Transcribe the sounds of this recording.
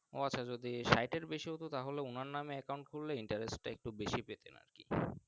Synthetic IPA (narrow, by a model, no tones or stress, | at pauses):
o̰at͡ɕːɕʰad͡ʑod̪iʃajʈeɾbeʃiot̪ot̪aɦoleunaɾnameɛkaw̃ɳʈ̚kʰulleiɳʈaɾesʈʈaek̚ʈubeʃipet̪ḛna̰ɾkḭ